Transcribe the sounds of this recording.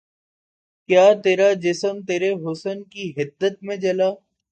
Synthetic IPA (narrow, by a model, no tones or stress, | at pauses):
kjaːt̪eːɾad͡ʒɪsəmt̪eːɾeɦʊsənkiɦɪd̪ːət̪̚mẽd͡ʒɐlaː